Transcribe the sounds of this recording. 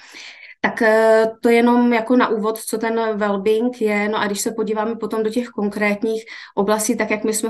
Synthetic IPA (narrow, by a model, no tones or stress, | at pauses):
t̪akt̪o̞jɛno̞mjako̞naʔuːvo̞t̪t͡so̞t̪ɛnvɛlbɪŋkjɛno̞ʔaɡdɪʃsɛpo̞ɟiːvaːmɛpo̞t̪o̞mdo̞cɛxko̞ŋkɾɛːt̪ɲiːxʔo̞blasciːt̪akjakmɪsmɛ